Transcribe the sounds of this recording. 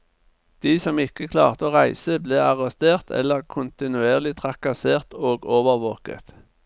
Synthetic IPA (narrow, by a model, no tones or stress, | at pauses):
d̪̥iːsɔmɪkəkʰlɑ̰ːʁt̪əoːʁæɪsəbleːɑʁɛst̪eːʁt̪ʰɛ̰lːəʁkʰʊnt̪ɪnʉeːʁlɪt̪ʰʁɑkɑseːʁt̪oːɡoːʋəʁʋoːkə̰t̪